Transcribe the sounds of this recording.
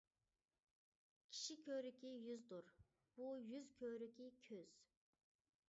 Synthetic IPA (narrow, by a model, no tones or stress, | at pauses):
kʲʰi̥ʃikʲʰøɾykʲijyzd̪uɾ | b̥ujyzkʲʰøɾykʲikʲʰøz̥